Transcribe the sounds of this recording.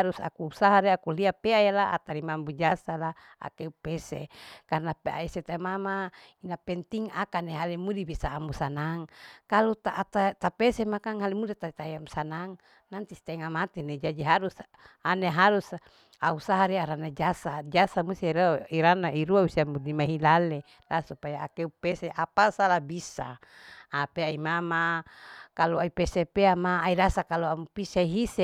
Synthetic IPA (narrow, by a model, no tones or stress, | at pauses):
aɾusa̰kuusaɦaɾeakuliapeajalaʔa̰t̪aɾimambud͡ʒasala | a̰keupɛsḛkarnapa̰iset̪amamainapɛnt̪iŋakaneɦalimudibisaːmusanaŋkalut̪aʔːt̪at̪apɛsemakaŋhalimudit̪ait̪ajamsanaŋ | nant̪isi̥t̪ɛŋamat̪ined͡ʒadiɦaɾus | aneɦaɾus | ausaɦaɾiaɾanad͡ʒasad͡ʒasamust̪iiɾiɾanaiɾuausiamudimaɦilale | lasupajaːkeupɛseʔapasalabisa̰ː | peaimamakaluaipɛsepeamaːidasakaluamupisaiɦise